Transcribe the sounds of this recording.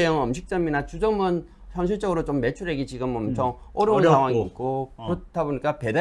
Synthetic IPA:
ejʌŋʌmɕʰik̚t͡ɕ͈ʌminat͡ɕud͡ʑʌmʌn | çjʌnɕ̬ʰiɭt͡ɕ͈ʌɡɯɾot͡ɕomːe̞t͡ɕʰuɾeɡit͡ɕiɡɯmʌmt͡ɕʰʌŋ | ʌɾjʌusʰaŋwaŋiːt̚k͈okɾʌtʰaboɲik͈ape̞da

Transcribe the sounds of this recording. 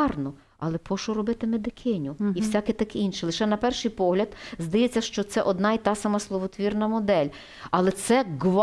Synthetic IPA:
rnɔ | ɐlˠɛpɔʃʊɾɔbɪt̪ɪmed̪ɪkʰɪnʲʊiwsʲakɪt̪ɐkinʃɪlˠɪʃɛnɐpɛrʃɪjpɔɦlʲɐd̪zd̪ɐjɛt͡sʲːɐʃt͡ʃɔt̪sɛʔɔd̪nɑit̪ɑsɐmɐslˠɔʋɔt̪ʋʲirnɐmɔd̪ɛlʲ | ɐlˠɛt̪sɛɡʋ

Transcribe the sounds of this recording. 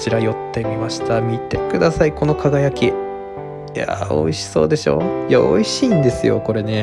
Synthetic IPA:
t͡ɕiɾajo̞t̪ːe̞mʲimaɕi̥t̪amʲit̪e̞kɯ̟d̪asaiko̞no̞kaɡajakʲi | ja̰o̰iɕi̥so̞ːd̪e̞ɕo̞̰ːjao̞̰iɕiːnd̪e̞sɨjo̞̰ko̞ɾe̞ne̞

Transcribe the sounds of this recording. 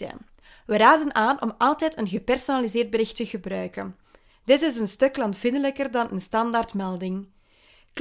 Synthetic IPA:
ə̰ | ʋəɾaːdənaːnʔɔmɑlˠtɛːjtənɣəpɛrsonalizɪːrd̚bəɾɪxtəɣəbɾœɥkən | d̥ɪtɪzənstɵklɑntfɪndələkərdɑnənstɑndartmɛlˠdɪŋ | k

